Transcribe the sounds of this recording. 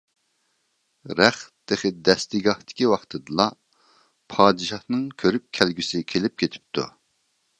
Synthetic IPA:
ɾɛχd̪̥eχɪd̪ɛst̪ɪɡɑht̪ɪ̥kʲiwɑχt̪ʰɨd̪ɨlˠɑ | pʰɑːd̪ɨʃɑhnɨŋkʲʰøɾyp̚kʲʰælɡʲysɪkʲʰelɪp̚kʲet̪ʰɪ̥p̚t̪ʰṵ

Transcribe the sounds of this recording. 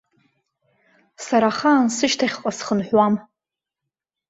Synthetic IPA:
saɾaχaːnsɨʃtʰaχʲqʼasχənħʷwam

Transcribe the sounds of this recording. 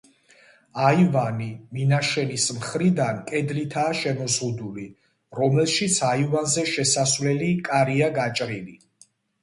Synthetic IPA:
aivaniminaʃɛnismχɾid̪ankʼɛd̪lit̪ʰaːʃɛmɔzʁud̪uli | ɾɔmɛlˠʃit̪sʰaivanzɛʃɛsasvlɛlikʼaɾiaɡat͡ʃʼɾili

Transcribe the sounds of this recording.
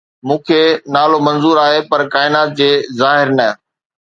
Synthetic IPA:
mũːkʰeːnaːlomɐ̃nzuːɾaːɦepɐɾkaːɪnaːt̪̚d͡ʑeːzaːɦɪɾnɐ

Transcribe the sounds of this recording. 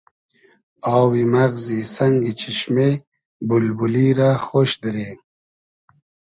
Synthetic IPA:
aːwimaɣzisaŋɡit͡ʃʰiɕme | bulbuliɾaxoʃd̪əɾe

